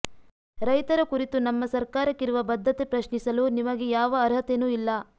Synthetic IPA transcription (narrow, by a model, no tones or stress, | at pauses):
ɾɐjt̪ɐɾɐkuɾit̪unɐmːɐsɐɾkaːɾɐkːiɾuʋɐbɐd̪ʱːɐt̪epɾɐʃɳisɐlunimɐɡejaːʋɐːɾɦɐt̪enuːilːɐ